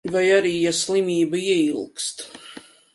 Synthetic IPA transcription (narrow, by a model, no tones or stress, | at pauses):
vajaɾiːjaslˠimiːbɐiɛilˠkst̪